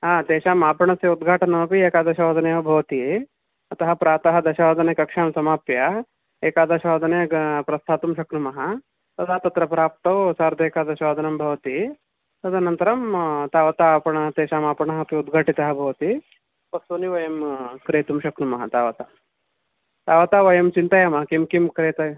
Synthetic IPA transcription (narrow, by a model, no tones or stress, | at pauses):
aːt̪eːʃaːmaːpɐɳɐsɐud̪ɡʱaːʈɐnɐmɐpieːkaːd̪ɐʃɐaːd̪ʱɐnejɐbʱɐʋɐt̪i | ɐt̪ɐɦɐpɾaːt̪ɐɦɐd̪ɐʃɐaːd̪ʱɐnɐkɐkʂaːmsɐmaːpjɐ | eːkaːd̪ɐʃaːd̪ʱɐneːɐpɾɐst̪ʰaːt̪umʃɐkɾumɐɦɐ | t̪ɐd̪ʱaːt̪ɐt̪ɾɐpɾaːp̚t̪ɐwsaːɾd̪ʱeːkaːd̪ɐʃaːd̪ʱɐnɐmbʱɐʋɐt̪i | ɐd̪ɐnɐnt̪ɐɾɐmt̪aːʋɐt̪aːpɐɳɐɐt̪eːʃaːmaːpɐɳɐɦɐpjiud̪ɡʱɐʈit̪ɐɦɐbʱɐʋɐt̪i | pɐsuniʋɐjɐmkɾeːt̪umʃɐkɾumɐɦɐ̰t̪aːʋɐt̪a | t̪aːʋɐt̪aʋɐjɐmt͡ʃint̪ɐjɐmɐɦɐkimkimkɾeːt̪ɐ